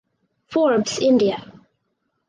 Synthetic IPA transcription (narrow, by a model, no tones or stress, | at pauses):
fɔɹbsɪ̃ndiə